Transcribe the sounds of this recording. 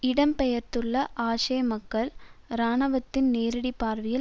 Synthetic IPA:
ɪɽɐmpɛjɐɾt̪ɯɭːɐʔaːʂɐjmɐkːɐɭɾaːɳɐʋɐt̪ːɪnneːɾɐɽipːaːɾʋɪjɪ

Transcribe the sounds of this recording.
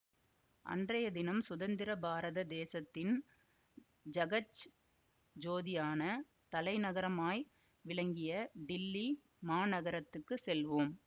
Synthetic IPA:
ʔɐ̰ndrɐjɐd̪ɪnɐmsʊðɐnd̪ɪɾɐbaːɾɐðɐd̪eːsɐt̪ːɪn | d͡ʒɐɣɐt͡ʃ | d͡ʒoːðɪjaːnɐ | t̪ɐlɐɪnɐɣɐɾɐmaːj | ʋɪɭɐŋɡɪjɐɖɪlːi | maːnɐɣɐɾɐt̪ːɯkːɯsɛlʋɯm

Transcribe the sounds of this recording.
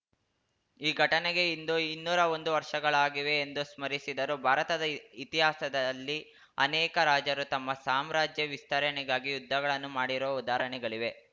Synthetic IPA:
iːɡʱɐʈɐneɡe̞ind̪uinːuːɾɐo̞nd̪uʋɐɾʂɐɡɐɭaːɡiʋe̞ːnd̪usmɐɾisid̪ɐɾubʱaːɾɐt̪ɐd̪ɐit̪iɦaːsɐd̪ɐlːi | ɐnɛːkɐɾaːd͡ʒɐɾut̪ɐmːɐsaːmɾaːd͡ʒjɐʋist̪ɐɾɐɳɛɡaːɡijud̪ʱːɐɡɐɭɐnːumaːɽiɾɐʋɐud̪aːɾɐɳɛɡɐɭiʋe̞

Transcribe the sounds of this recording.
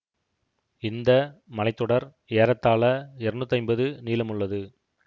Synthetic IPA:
ɪnd̪ɐmɐlɐɪt̪ːɔɽɐɾ | eːɾɐt̪ːaːlɐɛɾɳɯt̪ːɐɪmbɐðɯniːlɐmɯɭːɐðɯ

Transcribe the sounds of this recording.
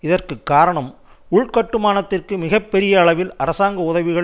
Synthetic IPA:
ɪðɐrkɯkːaːɾɐɳɐm | ʊɭkɐʈːɯmaːnɐt̪ːɪrkɯmɪɣɐpːɛɾɪjɐːɭɐʋɪlɐɾɐsaːŋɡɐʊðɐʋɪɣɐɭ

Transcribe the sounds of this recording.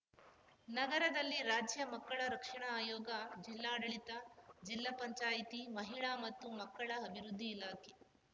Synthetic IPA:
nɐɡɐɾɐd̪ɐlːiɾaːd͡ʒjɐmɐkːɐɭɐɾɐkʂɐɳɐaːjoːɡɐd͡ʒilːaːɽɐɭit̪ɐd͡ʒilːapɐɲt͡ʃaːjt̪imɐɦiɭaːmɐt̪ːumɐkːɐɭɐɐbʱiɾud̪ʱːiːlaːkʰe

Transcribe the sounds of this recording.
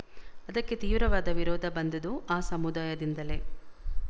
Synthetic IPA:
ɐd̪ɐkːe̞t̪iːʋɾɐʋaːd̪ɐʋiɾɔːd̪ʱɐbɐnd̪ɐd̪uaːsɐmud̪aːjɐd̪ind̪ɐle̞

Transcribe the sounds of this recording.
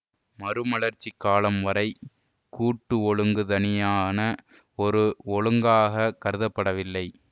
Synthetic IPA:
mɐɾɯmɐɭɐɾt͡ʃːikːaːlɐmʋɐɾɐɪ | kuːʈːɯɔɭɯŋɡɯðɐnɪjaːnɐ | ɔɾɯɔɻɯŋɡaːɣɐkɐɾɯðɐpːɐɽɐʋɪlːɐɪ

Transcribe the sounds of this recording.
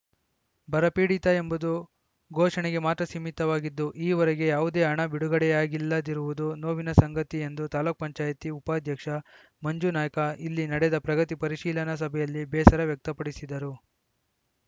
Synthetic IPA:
bɐɾɐpiːɽit̪ɐe̞mbud̪u | ɡʱɔːʂɐɳɛɡe̞maːt̪ɾɐsimit̪ːɐʋaːɡid̪ːuʔiːʋɐɾɛɡe̞jaːʋud̪e̞ːɐɳɐbiɽuɡɐɽɛjaːɡilːɐd̪iɾuʋud̪unoːʋinɐsɐŋɡɐt̪ie̞nd̪ut̪aːluk̚pɐɲt͡ʃaːjɐt̪iupaːd̪ʱjɐkʂɐ | mɐɲd͡ʒunaːjɐkɐilːinɐɽɛd̪ɐpɾɐɡɐt̪ipɐɾiʃiːlɐnɐs̬ɐbʱɛjɐlːibɛːsɐɾɐʋjɐk̚t̪ɐpɐɽisid̪ɐɾu

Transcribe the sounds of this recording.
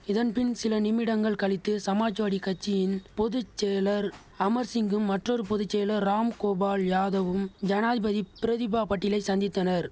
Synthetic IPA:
ɪðɐnpɪnsɪlɐnɪmɪɽɐŋɡɐɭkɐɭɪt̪ːɯsɐmaːt͡ʃʋaːɽikɐt͡ʃːɪjɪnpɔðɯt͡ʃːeːlɐɾ | ɐmɐɾsɪŋɡɯmːɐʈrɔɾɯpɔðɯt͡ʃːeːlɐɾːaːmkoːbaːljaːðɐʋɯmd͡ʒɐnaːðɪbɐðipɪɾɐðɪbaːpɐʈːɪlɐɪsɐnd̪ɪt̪ːɐnɐɾ

